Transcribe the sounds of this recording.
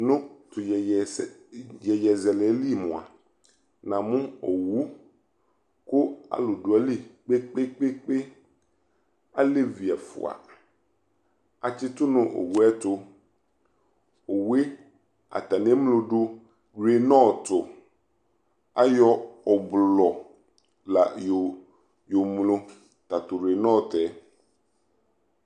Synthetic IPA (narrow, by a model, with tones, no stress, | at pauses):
nʊ̃˦t̪ʰʊ˨jɛ˨ | jɛ˨jɛ˨zɛ˨lɛ˨˦li˦˨mʊ̰̃˨a̰˨ | nã˨mʊ̃˦o˨wu˦ | kʊ˦a̰˨lʊ˨dʊ˨a˨li˦k͡pe˦k͡pe˦k͡pe˦k͡pe˦ | a˦le˦vi˨a˨fʊ̰˨a̰˨ | a˨t͡ɕɪ˦t̪ʊ˦nʊ̃˨ʔo̰˨wu˦ɛ˦tʊ˦ | o˨we˦ | a̰˨t̪a˨nẽ˦mlo˨ɖo˦ | ɡɾe˨nɔ̃˦˨t̪o˨ | a˦jɔ˦ɔ˨blɔ˨ | la̰˨jo˨ | jo˨mlo˦ | t̪a˨t̪o˨ɾe˨nɔ̃˦˨t̪ɛ˨˦